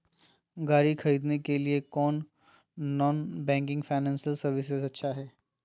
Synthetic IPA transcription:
ɡaːɾixʰɐɾiːd̪nekeliekɔːnː | ɔːnbɛ̃ːŋkɪ̃ŋɡfaːɪnɛ̃ːnsəlsɐɾʋɪsɪsɐtːʃʰaɦɛː

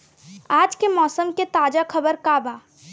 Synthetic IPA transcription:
ad͡ʒkemɔːsəmket̪ad͡ʒakʰəbəɾkaba

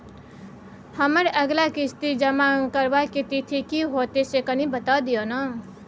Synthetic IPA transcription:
hʌməɾəɡlakist̪id͡ʒʌmakəɾbaket̪it̪ʰikiɦot̪esekʌnibət̪awd̪ijonʌ

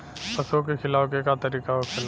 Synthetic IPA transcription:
pɐsokekʰɪlaːwkekat̪ɐɾiːkaokʰɪl

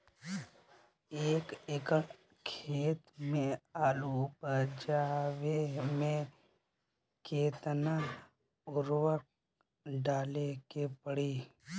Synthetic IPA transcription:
eːkɪkəɽ | kʰeːt̪mẽaːlupəd͡ʒaːwemẽ | keːt̪na | ʊɾwək̚ | ɖaːlekepəɽiː

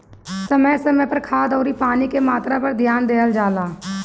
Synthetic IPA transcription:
səməsəməpəɾkʰaːd̪ɔːɾipaːnikemaːt̪ɾapəɾd̪ʱjaːnd̪eːəld͡ʒaːlaː

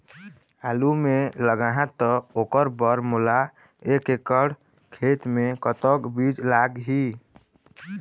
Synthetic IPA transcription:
alumeləɡaɦãt̪ːɔokəɾbəɾmula | ekekəɽ | kʰet̪mekət̪əkbid͡ʒlaɡɦi

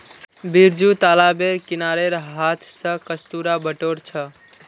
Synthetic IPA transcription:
biɾd͡ʒut̪alabeɾkinaɾeɾɦat̪ʰsə̃kəst̪uɾabəʈoɾt͡ʃʰə

